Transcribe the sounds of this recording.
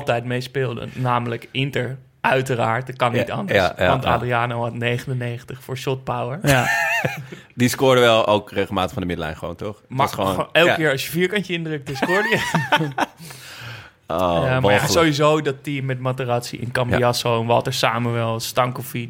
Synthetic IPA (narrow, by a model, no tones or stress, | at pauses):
lˠtɛjtmejspɪːlˠdə̰naːmələkɪntəɹ | ʔœɥtəɾaːɹtt̚kɑnːitɑ̰ndəsʋɑ̰nta̰ːdriaːnowɦɑtnejχənənejχəntəχfʊːɹʃɔt̚pawəɹ | diskʊːɹdəʋɛlˠo̰wkreχl̩ˠmaːtəχfɑndəmɪdəlɛ̰jnχəʋo̰wntɔχmaksonɛlˠkɪːɹɑsjəfiːɹkɑntəɪndrøk̚təskʊːɹdəjə | oamsowizowdɑtimːɛtmatəratsḭʔɪ̰nkɑmbiɑsownʋɑ̰təɹsaːməʋɛlˠstɑŋkɔfi